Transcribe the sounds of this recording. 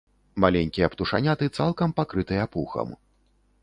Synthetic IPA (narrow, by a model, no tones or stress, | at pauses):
malʲenʲkʲijɐpt̪uʂa̰nʲat̪ɨt̪salˠkɐmpakɾɨt̪ɨjɐpuxɐ̰m